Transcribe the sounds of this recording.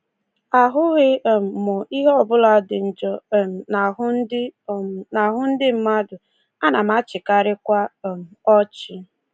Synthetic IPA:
a˨ɦʊ˦ɣe˦˨m̩˨mʊ˨i˦ɦe˦ɔ˨bʊ˦la˨˦dɪ˨n̩˨d͡ʒɔ˦˨na˨ɦʊ˦n˦dɪ˦˨na˨ɦʊ˦n̩˦dɪ˦m̩˦ma˦dʊ˨ | a˦na˨m˦a˦t͡ʃɪ˨ka˨ɾɪ˦kʷa˦˨m̩˨ɔ˦t͡ʃɪ˦

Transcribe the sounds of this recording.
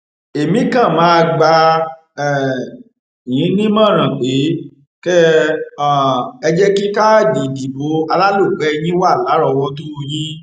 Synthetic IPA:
e˨mĩ˨˦kã˦˨mã˨˦˧ɡ͡ba˧ | ɛ˨ | jĩ˨˦nĩ˦mã˦˨ɾ̃ã˨k͡pe˨˦ | kɛ˦a˦˨ɛ˧d͡ʒɛ˦ki˦ka˦˨di˨di˨bo˨˦a˧la˦lo˦˨ɡ͡bɛ˦˧j̃ĩ˦wa˦˨la˨˦ɾɔ˧wɔ˦to˦o˧jĩ˦

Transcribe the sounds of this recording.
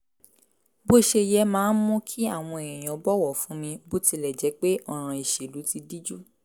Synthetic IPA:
bo˦˨ʃe˧jɛ˧mãː˨˦n˦mɔ̃˦kʰi˦a˦˨w̃ɔ̃˧e˨ɾ̃ɛ̃˨j̃ɔ̃˨ɔ˨˦bɔ˦wɔ˦˨fũ˨˦mĩ˧bo˦ti˧lɛ˨d͡ʒɛ˨˦k͡pe˦ʔɔ˦˨ɾ̃ã˧i˨ʃe˨lu˨˦ti˧di˦d͡ʒu˦

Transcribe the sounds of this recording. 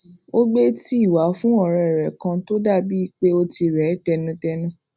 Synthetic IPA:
o˦ɡ͡be˦ti˦i˦˨wa˨˦fũ˦ɔ˦˨ɾ̃ã˧ɛ˨ɾɛ˨kã˧to˦da˦˨bi˨˦i˦˨k͡pe˦o˧ti˧ɾɛ˨˦tɛ˧nũ˧˦tɛ˧nũ˦

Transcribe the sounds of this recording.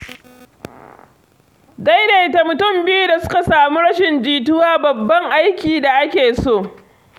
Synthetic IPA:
da˦jneː˨ta˨mʊ˨tʊ˦mbɪ˦ju˦da˨sʊ̥˦ka˨saː˨mu˦ɽɐ˦ʃɪ˨nd͡ʒiː˨tʊ˦waː˦bɐ˨bːɐ˦ŋʔa˦jkʲiː˨da˨ʔa˦kʲeː˨soː˦˨

